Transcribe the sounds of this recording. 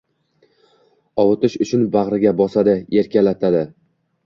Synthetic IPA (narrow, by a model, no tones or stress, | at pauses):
ɒlˠʊt̪ɪʃʊt͡ʃʰʊnbaʁɾɪɡʲabɒsad̪ɪe̞ɾkʲalat̪ʰad̪ɪ